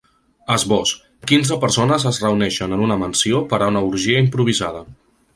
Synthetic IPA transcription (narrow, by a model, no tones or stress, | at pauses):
əzβɔs | kinzəpəɾsonəzəzrəunɛʃənənunəmənsiopəɾaunəuɾʒiəimpɾuβ̞izað̞ə